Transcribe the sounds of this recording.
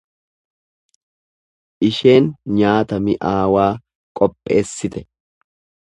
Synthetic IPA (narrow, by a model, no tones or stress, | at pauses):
ʔɪʃe̞ːnɲaːt̪ɐmɪʔaːwaː | kʼɔpʼːe̞ːsːɪt̪ɛ̥